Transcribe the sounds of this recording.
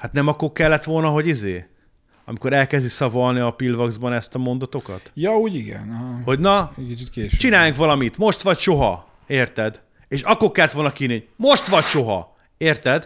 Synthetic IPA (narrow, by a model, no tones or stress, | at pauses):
hat̪nɛmɒkːo̞rkɛlːɛt̪ʋo̞lnɒɦo̞ɟizḛː | ɒ̰miko̞ɾɛlkɛzd̪isɒvɒlniɒpilvɒɡzbɒnɛst̪ɒmo̞nd̪ɒt̪o̞kɒ̰t̪jɒuːɟiɡɛ̰nho̞ɟnɒkit͡ʃit̪keːʃt͡ʃinaːjaŋkʋɒlɒmit̪mo̞ʃt̪ʋɒcʃo̞ɦɒ | eːrt̪ɛd̪ | eːʃɒkːo̞rkɛlːɛt̪ʋolnɒkiːniomoʃt̪ʋɒcʃo̞ɦɒ̰ | eːrt̪ɛd̪